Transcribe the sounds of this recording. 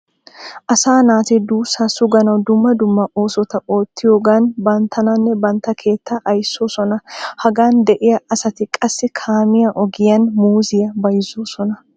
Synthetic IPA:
ʔɐsaːnaːt̪ɪd̪uːsaːsʊɡɐnɐwd̪ʊmːɐd̪ʊmːɐʔo̞ːsɔt̪ɐo̞ːt̪ːɪjoːɡaːnbɐnt̪ʰːɐnɐnːɛbɐnt̪ːɐkʰe̞ːt̪ːɐʔɐjsːo̞ːsɔnɐhɐɡaːnd̪ɛʔɪjɐɐsɐt̪ɪkʼɐsːɪkʰaːmɪjɐʔɔɡɪjɐnmuːzɪjɐbɐjzoːsɔnɐ

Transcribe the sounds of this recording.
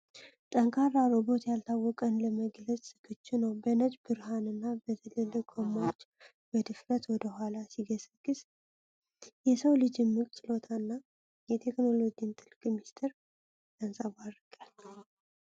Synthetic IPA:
t̪ʼəŋkʰaɾːaɾo̞bo̞t̪jalt̪ʰawːɔkʼənləməɡlət͡sʼsɨkʰːɨt͡ʃːunəwbənəd͡ʒʼbɨɾɦanɨnːabət̪ʰələlːəɡʰʼomːawot͡ʃː | bəd̪ɨfɾət̪wɔd̪əhʷalasiɡəsəɡ̥ɨs | jɛsəwlɨd͡ʒɪmːɨkʼt͡ʃʼɨlo̞t̪ʰanːa | jɛt̪ʰe̞kno̞lo̞ɡint̪ʰʼɨlkʼmist̪ʰeɾ | d̪ansʼaβarɨɡʼal

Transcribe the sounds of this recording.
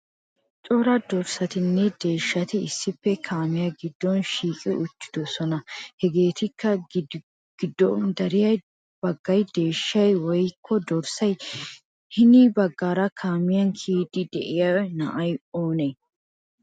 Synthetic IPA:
t͡ʃʼoɾɐd̪ɔɾsɐt̪ɪnːɛd̪e̞ːʃːɐt̪ɪɪsːɪpːɛkʰaːmɪjɐɡɪd̪ːɔnʃiːkʼɪʊt͡ʃːɪ̥d̪ɔsɔnɐhɛɡe̞ːt̪ɪkːɐ | ɡ̥ɪd̪ːɔnd̪ɐɾɪjɐj | b̥ɐɡːɐjd̪e̞ːʃːɐjwɔjkʰːɔd̪ɔɾsɐj | hɪnibɐɡːaːɾɐkʰaːmɪjɐnkʰiːd̪ɪd̪ɛʔɪjɐnɐ̰ʔɐjoːne

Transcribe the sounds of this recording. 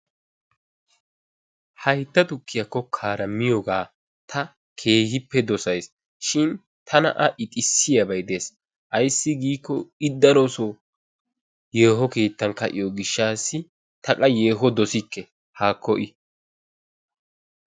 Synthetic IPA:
hɐjt̪ːɐt̪ʊkːɪjɐkːɔkʰaːɾɐmɪjɔɡaː | t̪ʰɐ | kʰe̞ːhɪpːɛd̪ɔsɐjs | ʃɪn | t̪ʰɐnɐ̰ʔɐʔɪt̪ʼɪsːɪjɐbɐjd̪eːs | ʔɐjsːɪɡiːkːɔɪd̪ːɐɾoso | jeːɦɔke̞ːt̪ːɐnkɐʔɪjɔɡɪʃːaːsːɪ | t̪ɐkʼɐje̞ːɦɔd̪ɔsɪkːɛ | haːkːɔʔɪ

